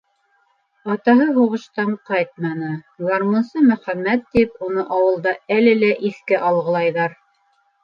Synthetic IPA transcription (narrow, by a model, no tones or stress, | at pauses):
ɑt̪ɑɦɤɦuʁɤ̆ʃt̪ɑɴqɑjt̪̚mɑnɤzɑɾmunsɤmɵ̆χæmːæt̪ːipunɤʔɑwɤ̆lˠd̪ɑælɘlæʔiθkæʔɑlˠʁɤ̆lˠɑjðɑɾ